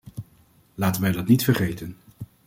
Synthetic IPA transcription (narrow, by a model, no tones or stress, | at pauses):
laːtənʋɛjdɑtnitfəɹχejtən